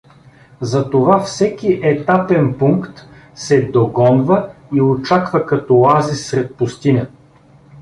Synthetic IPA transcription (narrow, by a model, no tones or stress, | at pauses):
zɐt̪ovafsɛkiʔɛt̪apɛnpuŋkt̪ | sɛd̪oɡɔnvəiot͡ʃakvɐkɐt̪ɔlˠazisɾɛt̪̚pʊst̪inʲə